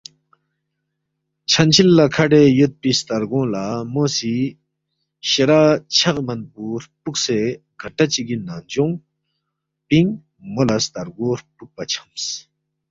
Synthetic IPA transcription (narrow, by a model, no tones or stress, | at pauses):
t͡ɕʰant͡ɕʰilːakʰaɖejot̪̚pist̪aɾɡɔ̃lamosi | ɕeɾaːt͡ɕʰakmanpuːɾpuk̚se | ɡ̥aʈːat͡ɕiɡinːand͡ʑoŋ | piŋ | molast̪aɾɡoɾpuk̚pat͡ɕʰḁms